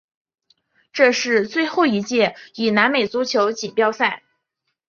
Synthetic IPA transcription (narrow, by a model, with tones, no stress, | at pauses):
ʈ͡ʂɤ˥˧ʂɻ̩˥˧t͡swe˥˧ɪxo˥˩ʊi˧˥t͡ɕjɛ˥˩i˨˩na˧˥nme˨˩ɪt͡su˧˥t͡ɕʰjo˧˥ʊt͡ɕi˨˩pjɑ˥˧ʊsa˥˩ɪ